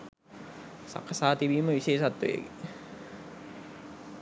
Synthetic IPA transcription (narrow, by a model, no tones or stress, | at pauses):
sa̰kʰːasaːt̪iʋiːməʋiɕeːʃat̪ːujḛɡḛ